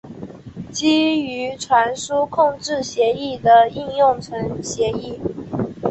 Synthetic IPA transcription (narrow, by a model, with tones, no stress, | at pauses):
t͡ɕi˥y˧˥ʈ͡ʂʰwa˧˥nʂu˥kʰʊ˥˧ŋʈ͡ʂɻ̩˥˩ɕjɛ˧˥i˥˩d̪ə˩i˥˧njʊ˥˩ŋʈ͡ʂʰə˧˥ŋɕjɛ˧˥i˥˩